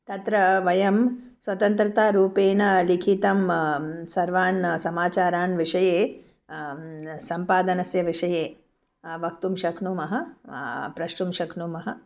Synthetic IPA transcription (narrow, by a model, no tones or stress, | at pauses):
t̪ɐt̪ɾɐʋɐjɐm | sʋɐt̪ɐnt̪ɾɐt̪aːɾuːpeːnɐlikʰit̪ɐmsɐɾʋaːnsɐmaːt͡ʃaːɾaːnʋiʂɐjeː | sɐmpaːd̪ɐnɐsjɐʋiʂɐjeː | ʋɐk̚t̪umʃɐkʰnuːmɐɦɐ | pɾɐʃʈumʃɐkʰnuːmɐɦɐ